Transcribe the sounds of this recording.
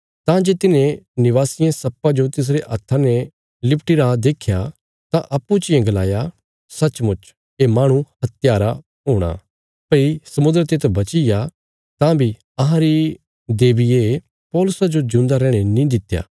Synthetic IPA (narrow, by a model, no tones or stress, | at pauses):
t̪ãd͡ʒeːt̪ɪnẽnɪʋaːsɪjãsɐpːãd͡ʒot̪ɪs̬ɾeʔɐt̪ʰːãne | lɪpʈɪɾad̪eːkʰja | t̪ãʔɐpːut͡ʃɪjẽɡɐlaːja | sɐt͡ʃmʊt͡ʃ | emaːɽ̃ũhɐt̪jaːɾa | ɦoːɽ̃a̰ | pɐisɐmʊnd̪əɾt̪et̪ɐbɐt͡ʃɪja | t̪ãbʱi | ɐɦãɾi | d̪eːbɪje | pɔːlʊsad͡ʒod͡ʒʊ̃ːnd̪aɾɛ̃ːɽ̃enĩd̪ɪt̪ːja̰ː